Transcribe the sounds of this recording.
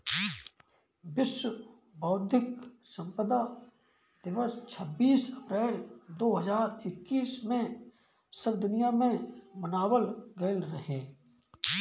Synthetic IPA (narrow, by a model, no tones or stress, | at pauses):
ʋɪswə | baːd̪ʱɪksə̃mpəd̪a | d̪̥ɪʋəst͡ʃʰəbːiːsɐpɾɛːɾd̪oːɦəzaːɾɪkːiːsmẽ | səbd̪ʊnijamẽmənaːwəlɡəlɾɐɦẽː